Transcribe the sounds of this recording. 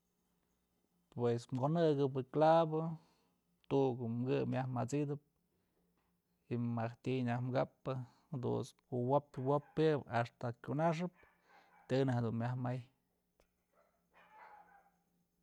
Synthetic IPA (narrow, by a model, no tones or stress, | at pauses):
pwesmɡonɨɡɨbɨklabɨ | t̪uʔɡɨmɡɨmjahmat͡sid̪ɨp̚ | imaht̪ʲiɲahmɡapːɨ | d̪ṵs | uwopwopːɨbast̪akʲunaʂ̬ɨp̚ | t̪ɨnahed̪unmʲahmaj